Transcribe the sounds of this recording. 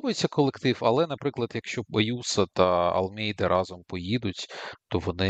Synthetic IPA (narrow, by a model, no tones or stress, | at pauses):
bɔjet͡sʲːɐkɔlˠekt̪ɪwɐlˠɛnɐpɾɪklˠɐd̪jɐkʃt͡ʃɔɐjusɐt̪ɐɐ̰lˠmʲɛjd̪ɐɾʔɑzɔmpɔjid̪ʊtʲt̪ɔʋɔnɪ